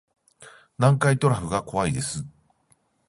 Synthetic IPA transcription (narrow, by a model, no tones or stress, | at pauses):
nãŋkait̪o̞ɾaɸɯ̟ɡako̞βaid̪e̞sɨ